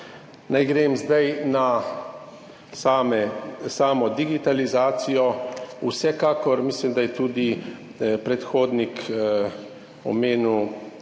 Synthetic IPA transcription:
najɡɾeːmzd̪ajna | saːmɛsaːmɔd̪iɡit̪alizaːsijɔusɛkaːkɔɾmiːslimd̪ajɛt̪uːd̪i | pɾɛt̪xoːd̪nik | ɔ̰meːnu

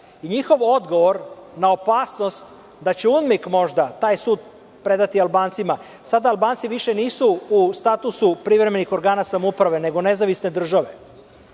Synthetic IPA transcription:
iɲixo̞ʋo̞d̪ɡo̞ʋo̞ɾnao̞paːsno̞st̪ | d̪at͡ɕeud̪mikmo̞ʒd̪at̪aːjsuːd̪̚ | pɾe̞d̪at̪ialˠbaːnt̪sima | sad̪aːlbaːnt̪siʋiʃe̞niːsuust̪at̪usupɾiʋɾe̞me̞nixo̞ɾɡaːnasamoupɾaʋe̞ne̞ɡo̞ne̞zaʋisne̞d̪r̩ʒaʋe̞

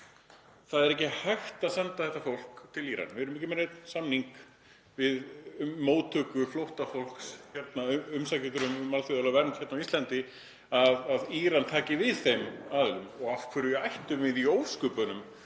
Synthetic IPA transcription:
θaðɛɾɛcɪhajxt̪asɛnt̪aθɛht̪afowl̥kt̪ʰɪliːɾa̰nvɪɛɾmɛhcɪmɛɾejt̪nsamniŋk | vɪðːoːwt̪ʰœːkʏflowht̪afol̥ksçɛt̪naʏmsajcɪt̪ʏɾʏmmalθiðalavɛɾnt̪çɛɾt̪nawist̪lɛnt̪ɪ | aðaðiɾant̪ʰaːcɪvɪðθejmaðɛlʏmɔɣafkʰvɛɾʏajht̪ʏmvɪðioːwskʏpʏnʏm

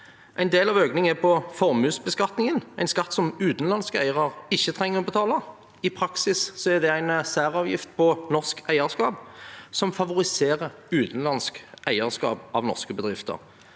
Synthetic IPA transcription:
ʔæɪnd̪eːlɑʋøːknɪŋəɛpʰɔfɔʁmʉːsbəskɑt̪nɪŋənæɪnskɑt̪ːsɔmʉːt̪n̩lɑnskəæ̰ɪəʁəʁɪçːət̪ʰʁɛŋːəʁɔbət̪ʰɑːlə | ɪpʰʁɑksɪssɔæʁd̪ɛæɪnsæːʁɑːʋjɪ̰ft̪̚pʰɔnɔʁskæɪəʁskɑːbsɔmfɑʋʊʁɪseːʁəʁ | ʉːt̪n̩lɑnskæɪəʁskɑ̰ːpɑʋnɔ̰ʁskəbəd̪ʁɪft̪ə̰ʁ

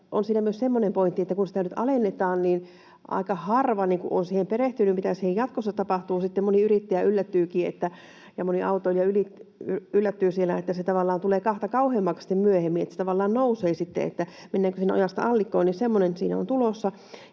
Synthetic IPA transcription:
ʔonsiːnæmyøsemːonempoint̪ːiet̪ːækunsi̥t̪ænyt̪ɑlenːet̪ɑːnniːn | ʔɑ̰ikɑhɑrʋɑniŋkṵʔo̰nsihempereht̪ynymmit̪æsihejjɑt̪kosːɑt̪ɑpɑht̪uːsit̪ːemmoniyrit̪ːæjæylːæt̪ːyːkiːḛt̪ːæ | jɑmoniɑut̪oiljɑylityylːæt̪ːyːsielːæet̪ːæset̪ɑʋɑlːɑːnt̪uleːkɑht̪ɑkɑuheːmːɑksi̥t̪ːemmyøhemːinet̪æse̥t̪ɑʋɑlːɑːnnouseːsit̪ːḛḛt̪ːæ | menːæːŋkøsiːnːæo̰jɑst̪ɑ̰ɑlːikːˑoːnnisemːonensḭːnæ̰o̰nt̪ulosːɑ

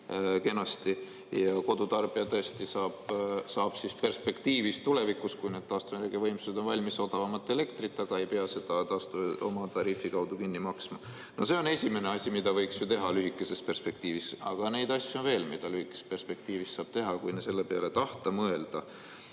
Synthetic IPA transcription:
ke̞nɑst̪i | jɑko̞d̪ut̪ɑrb̥iɑt̪ɤːsʲt̪isɑːb̥sɑːb̥sispe̞rspe̞kt̪iːvist̪ule̞vikuskujne̞d̪̥t̪ɑːst̪umeɾeɡ̥evɤ̞jmsu̥se̥o̞nvɑlʲmiso̞d̪̥ɑvɑmɑt̪ːˑe̞le̞kt̪rit̪ːˑɑɡ̥ɑe̞jpeɑse̞d̪̥ɑt̪ɑːst̪uo̞̰mɑt̪ɑɾiːfikɑwd̪ukinːimɑksmɑ | no̞se̞o̞ne̞sʲimeneɑsʲimid̪ɑvɤ̞jksjut̪e̞ɦɑlyɦikːˑe̞se̞spe̞rspe̞k̚t̪iːvisɑ̰ɡ̥ɑne̞jd̪ɑsʲːjo̞nve̞ːlmid̪̥ɑlyhikːˑespe̞rspe̞k̚t̪iːvist̪ːɑːb̥t̪e̞ɦɑkujnese̞lːepeɑ̰le̞t̪ɑht̪ɑmɤe̞ld̪̥ɑ

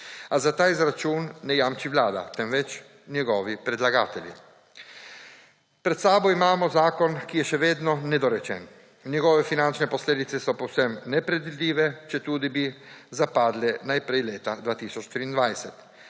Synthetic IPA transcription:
azat̪aːizɾat͡ʃuːnːɛjaːmt͡ʃiʋlaːd̪a̰t̪ɛmʋɛt͡ʃ | njɛɡɔːʋipɾɛd̪laɡaːt̪ɛlʲjḭ | pɾɛt̪saːbɔimaːmɔzaːkɔnkijɛʃɛʋeːd̪nɔnɛd̪ɔɾɛt͡ʃɛ̰ːn | njɛɡɔːʋɛfinant͡ʃnɛpɔsleːd̪it̪sɛsɔpɔwsɛmnɛpɾɛd̪ʋid̪liːʋɛt͡ʃɛt̪uːd̪ibizapaːd̪lɛnajpɾɛjleːt̪ad̪ʋaːt̪iːsɔt͡ʃt̪ɾiːnd̪ʋajsɛt̪

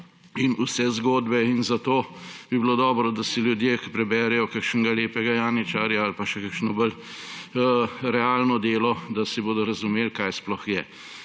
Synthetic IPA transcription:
inusɛzɡoːd̪bɛinzat̪oːbibilod̪ɔːbɾɔd̪asiljud̪jeki̥pɾɛbɛːɾɛjɔkakʃnɡaleːpɛɡajaːnit͡ʃaːɾjaalpaʃɛkakʃnɔbəl | ɾɛaːlnɔd̪eːlɔd̪asiboːd̪ɔɾɐzumeːlkajsplɔxjɛ

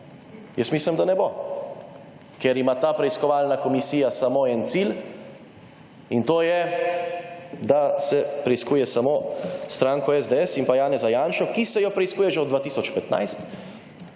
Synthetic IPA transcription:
jəsmiːsləmd̪anɛbo | kɛɾimat̪aːpɾɛiskɔʋalnakɔmisiːjasamoɛnt̪sil | int̪oːjɛ | d̪asɛpɾɛiskuːjɛsamost̪ɾãːŋkɔɛzd̪eɛsimpajaːnɛzajaːnʃɔkisɛjɔpɾɛiskuːjɛʒɛɔd̪d̪ʋaːt̪iːsɔt͡ʃpɛt̪na̰jst̪

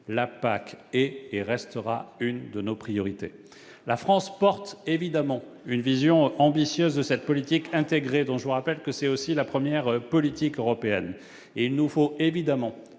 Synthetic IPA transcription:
lapakɛeʁɛst̪əʁa̰ynd̪ənopχijɔʁit̪ḛ | lafχɑ̃spɔʁt̪evid̪amɑ̃ | ynvizjɔ̃ɑ̃bisjøzd̪əsɛt̪̚pɔlit̪ikɛ̃t̪eɡʁed̪ɔ̃ʒəvuʁapɛlkəsɛt̪osilapχəmjɛʁpɔlit̪ikøʁɔpeɛn | eilnufoevid̪amɑ̃

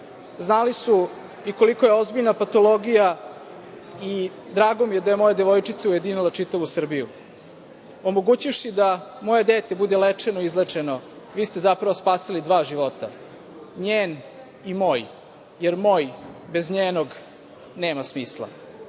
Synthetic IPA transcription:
znalisu | iko̞liko̞jeo̞zbiʎnapat̪o̞lˠo̞ɡija | i | d̪ɾaːɡomijed̪aje̞mo̞jed̪eʋo̞jt͡ʂit̪seuje̞d̪inilˠat͡ʂit̪aʋusr̩biju | o̞moɡuːt͡ɕifʃid̪amo̞jed̪eːt̪ebud̪elet͡ʂenoizlˠet͡ʂeno̞ | ʋiːst̪e̞zapɾaʋospaːsilid̪ʋaːʒiʋo̞t̪a̰ | ɲeːn | imo̞ːj | jeɾmoːjbezɲeːnoɡ | neːmasmiːslˠa̰

